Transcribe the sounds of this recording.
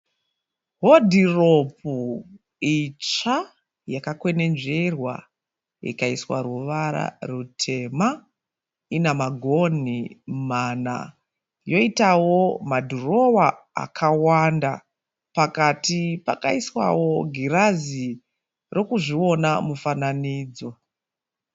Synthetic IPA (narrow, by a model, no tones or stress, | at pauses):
ɦodʱiropu | it͡ʂa | jakakwe̞ne̞nʐe̞rwa̰ | ḭkaiswaruʋaɾa̰rutʰe̞ma | inamaɡʱo̞nimana̰ | jo̞itawo̞madʱuro̞wa | a̰kʰawanda | pakatipakaiswa̰woɡʱiɾazi | rʔo̞kuʐio̞namufananiːd͡zwo